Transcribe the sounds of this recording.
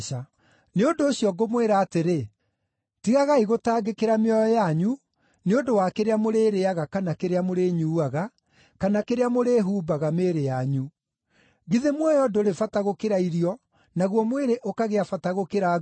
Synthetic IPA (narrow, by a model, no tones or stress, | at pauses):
a | neondoːɕiɔɡomweɾaːteɾe | tiɣaɣaiɣotaːɡekeɾameɔjɔjaɲu | neondowakeɾeamoɾeːɾeaɣakanakeɾeamoɾeɲuːaɣa | kanakeɾeamoɾeːɦuːbaɣameːɾejaɲu | ɣiðemwɔjɔdoɾefataɣokeɾaiɾiɔ | naɣwɔmweɾeʔokaɣeafataɣokeɾa